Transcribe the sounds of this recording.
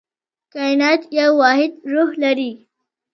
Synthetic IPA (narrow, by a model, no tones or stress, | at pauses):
kajnaːt̪jawːaɦɪd̪ɾuɦləɾiː